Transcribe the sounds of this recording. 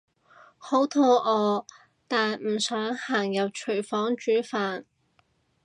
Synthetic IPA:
ho˨˥wt̪ʰɔː˧ʔɔː˨˧ | t̪aː˨nm̩˨˩sœː˨˥ŋhaː˨˩ŋjɐ˨w̚t͡ʃʰɵ˨˩ɥfɔː˨˥ŋt͡ʃyː˨˥faː˨n

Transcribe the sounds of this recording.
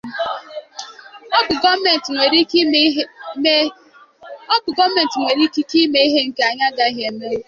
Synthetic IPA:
me˨ntŋʷe˨ɾi˦ | ɔ˦bʊ˨ɡɔ˦me˨n̩˨tŋʷe˨ɾi˦ki˦ki˦me˦i˦ɦe˦ŋ̩˦˨ke˦a˨ɲa˦ɡa˦ɦe˨me˦

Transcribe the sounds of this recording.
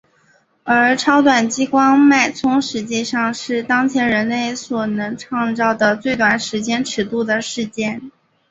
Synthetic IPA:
ə˞˧˥ʈ͡ʂʰɑ˥ʊt̪wa˨˩nt͡ɕi˥kwɑ˥ŋma˥˩ɪt͡sʰʊ˥ŋʂɻ̩˧˥t͡ɕi˥˧ʂɑ˥˧ŋʂɻ̩˥˩t̪ɑ˥ŋt͡ɕʰjɛ˧˥nɻə˧˥nle˥˩ɪswɔ˨˩nɤ˧˥ŋʈ͡ʂʰɑ˥˧ŋt͡sɑ˥˩ʊd̪ə˩t͡swe˥˩ɪt̪wa˨˩nʂɻ̩˧˥t͡ɕjɛ˥nʈ͡ʂʰɻ̩˧˥t̪u˥˩d̪ə˩ʂɻ̩˥˧t͡ɕjɛ˥˩n

